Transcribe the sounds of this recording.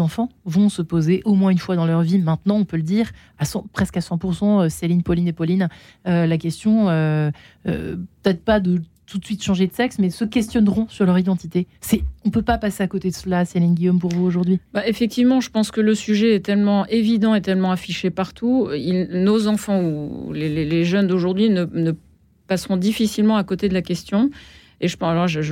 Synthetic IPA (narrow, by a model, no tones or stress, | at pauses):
zɑ̃fɑ̃vɔ̃səpozeʔomwɛ̃ynfwad̪ɑ̃lœʁvimɛ̃t̪nɑ̃ɔ̃pøləd̪iʁ | asɑ̃pχɛskasɑ̃puʁsɑ̃øselinpɔlinepɔlin | ølakʲɛst̪jɔ̃ø | ø̰pə̥t̪ɛt̪χpad̪ət̪ʰut̪sɥit̪ʃɑ̃ʒed̪əsɛksmɛsəkʲɛst̪jɔnʁɔ̃syʁlœʁid̪ɑ̃t̪it̪esɛɔ̃pøpapaseakot̪ed̪əsəlaselɛ̃nɡʲijompuʁvuoʒuʁd̪ɥibaʔefɛk̚t̪ivmɑ̃ʒəpɑ̃skələsyʒɛɛt̪ɛlmɑ̃evid̪ɑ̃et̪ɛlmɑ̃afiʃepaʁt̪ʰuilnozɑ̃fɑ̃uleleleʒœnd̪oʒuʁd̪ɥinənə | pasʁɔ̃d̪ifisilmɑ̃akot̪ed̪əlakʲɛst̪jɔ̃ | eʒəplɔʒəʒ